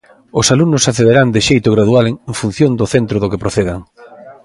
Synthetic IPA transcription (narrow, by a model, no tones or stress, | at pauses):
ʊsaluŋnʊsaθeðeɾand̪ɪʃejt̪ʊɣɾaðualeŋeŋfun̟θjond̪ʊθent̪ɾoðʊkepɾoθeðaŋ